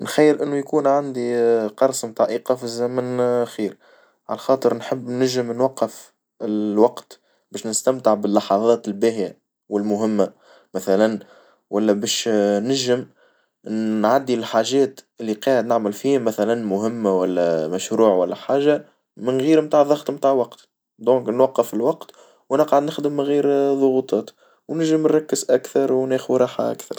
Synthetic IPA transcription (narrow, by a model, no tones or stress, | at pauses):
nxajːɪlʔɪnːujkuːnʕand̪iqɑɾˤsˤmt̪ɑʕʔiːqɑfizɛmɪnxiːɾ | ʕalæxɑːt̪ˤəɾnħəbːnæʒɪmnwɑqːəf | ɪwɑqt̪ | bɛːʃnɪst̪æmt̪ɪʕbɪlːɑħɑðˤɑːt̪ɪlbæːhija | wɪlmʊɦɪmːa | mæθælæn | wælːæbɛːʃnæʒɪm | nʕad̪ːilħaːʒɛːt̪ʔɪlːiqɑːʕɪd̪nɪʕməlfiːhmæθælænmʊɦɪmːawælːæmæʃɾuːʕwælːæħaːʒa | mɪnɣiːɾmt̪aːʕðˤɑɣt̪ˤmt̪aːʕwɑqt̪ | d̪õːŋknwɑqːəfɪlwɑqt̪ | wʔænəqʕad̪nɪxd̪əmːɪɣiːɾðˤʊɣut̪ˤɑːt̪ | wnæʒəmnɾˤɑkːəzʔækθɑɾˤwnɛːxwɾˤɑːħa̰ʔa̰kθɑ̰ɾˤ